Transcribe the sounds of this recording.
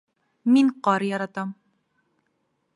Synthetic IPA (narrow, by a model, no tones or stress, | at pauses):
minqɒɾjɒɾɑt̪ɑm